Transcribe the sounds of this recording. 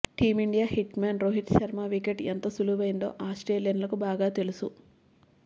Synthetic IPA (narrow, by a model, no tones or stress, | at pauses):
ʈiːmiɳɖijaːhiʈmaːnɾoːɦiʈʃɐɾmaːʋikeʈent̪ɐsuluːbɐjind̪o̞̰ːʔaːsʈeːlijɐnlɐkubaːɡaːt̪e̞lusu